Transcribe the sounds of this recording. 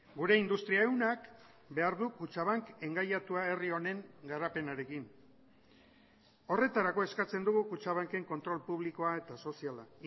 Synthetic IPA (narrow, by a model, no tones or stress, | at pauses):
ɡuɾe̞ind̪ust̪ɾiae̞wnak | be̞aɾðukut͡ʃaβaŋke̞ŋɡajat̪uae̞rio̞ne̞ŋɡaɾape̞naɾe̞kin | o̞re̞t̪aɾako̞e̞skat͡se̞nd̪uɣukut͡ʃaβ̞aŋke̞ŋko̞nt̪ɾo̞lpuβ̞liko̞ae̞t̪aso̞siala